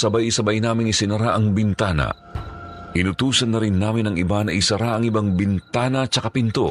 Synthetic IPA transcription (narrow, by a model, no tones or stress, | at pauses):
sɐbajɪsɐbajnaːmɪŋɪsɪnɐɾaʔɐŋbɪnt̪aːnɐ̰ | ʔɪnʊt̪uːsɐnːɐɾɪnːaːmɪnɐŋɪbanɐʔɪsɐɾaʔɐŋɪbaŋbɪnt̪aːnɐt͡ʃɐkapɪnt̪o̰